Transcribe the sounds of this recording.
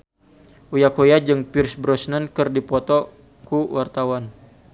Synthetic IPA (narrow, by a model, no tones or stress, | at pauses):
ʔujakojad͡ʒɨŋpirsbɾɔsnankɨrdipɔt̪ɔ | kuwart̪awan